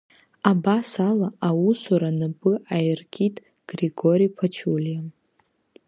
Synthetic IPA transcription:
abasalaʔawusuɾanɨpʼɨʔajrkʲʰʼitʼ | ɡ̥reɡoɾijpʰat͡ʃʰuljam

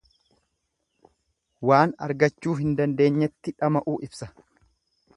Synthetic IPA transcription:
waːnɐ̰ɾɡɐt͡ʃːuːɦɪnd̪ɐnd̪e̞ːɲːɛt̪ːɪᶑɐmɐʔuːʔɪbsɐ

